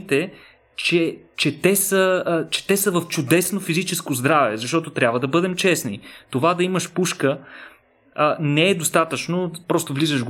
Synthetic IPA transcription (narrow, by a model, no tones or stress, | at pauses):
t̪ɛ | t͡ʃɛt͡ʃɛt̪ɛsət͡ʃɛ̥t̪ɛsəvɐft͡ʃʊd̪ɛsnofizit͡ʃɛskozd̪ɾavɛ̰zɐʃt̪ɔt̪ot̪ɾʲabvəd̪ɐbɤd̪ɛmt͡ʃɛsnḭt̪ovad̪ɐiməʃpuʃkə | nɛɛd̪ost̪at̪ət͡ʃnopɾɔst̪ovlizəʃɡ